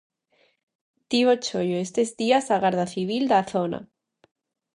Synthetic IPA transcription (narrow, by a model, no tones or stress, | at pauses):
t̪iβot͡ʃojoest̪ezd̪iasaɣaɾðaθiβ̞ild̪aθona̰